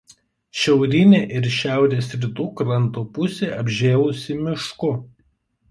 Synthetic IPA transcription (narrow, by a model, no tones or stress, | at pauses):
ʃʲɛʊɾʲɪnʲeːʔɪɾʃʲæˑʊɾʲeːsɾʲɪt̪uːkɾɐnˑt̪oːpʊsʲeːɐbʲʒʲeːlˠʊsʲɪmʲɪʃkʊ